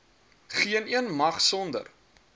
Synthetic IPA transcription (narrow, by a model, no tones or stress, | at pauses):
χiəniənmɐχsɔndə̰r